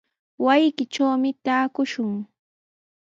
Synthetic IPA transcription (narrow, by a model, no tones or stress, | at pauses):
wajkɪt͡ʃawmɪt̪aːkʊʃʊŋ